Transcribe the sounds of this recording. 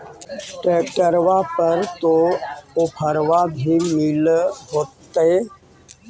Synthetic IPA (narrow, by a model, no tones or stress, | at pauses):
ʈeːkəɾʋapəɾt̪oopʰəɾʋabʱimɪlɦoːt̪ːe